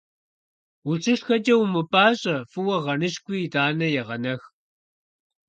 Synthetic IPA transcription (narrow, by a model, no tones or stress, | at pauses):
ut͡sʰɨʂxɐd͡ʒʼɐwmɨpaːɕʼɐfɨwɐʁɐnɨɕkʷiːdaːnɐjɛʁɐnɐx